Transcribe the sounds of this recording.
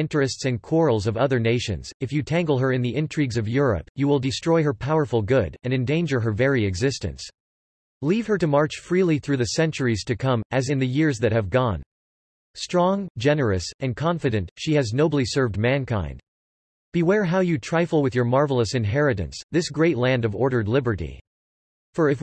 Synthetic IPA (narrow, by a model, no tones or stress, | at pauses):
ɪ̃ntɹ̥ɨstsɨ̃nkʰw̥ɔɹl̩ˠzʌvʌðə˞neɪʃɨ̰̃nz̥ɨfjɨtʰæ̃ŋɡl̩ˠə˞ɨ̃nðiʔɪ̃ntʰɹ̥iɡzʌvjʊɹə̰pjɨwɪlˠdɨstɹ̥ɔɪɦə˞pʰaʊə˞fl̩ˠɡʊɾɨ̃nɨ̃ndẽɪ̃nd͡ʒə˞ɦə˞vɛɹiɨɡzɪstɨ̰̃ns | liv̥ə˞ɾɨmɑɹt͡ʃfɹilˠiθɹʉðɨsɛ̃nt͡ʃə˞iz̥tʰɨkʰʌ̃mɨzɨ̃nðɨjɪɹzðɨt̚hɨvɡɔ̃n | stɹ̥ɔ̃ŋd͡ʒɛnə˞ɨsɨ̃nkʰɑ̃ɱfɨɾɨ̃ntʃiɨznoʊbl̩ˠisɜ˞vdmæ̃nkʰã̰ɪ̃nd̥ | b̥iwɛɹɦaʊjɨtʰɹ̥aɪfl̩ˠwɨðjə˞mɑɹvl̩ˠəsɨ̃nɦɛɹɨɾɨ̰̃nsðɪsɡ̥ɹeɪtˡlæ̃ndʌvɔɹɾə˞dˡlɪbə˞ɾḭ | fə˞ɨf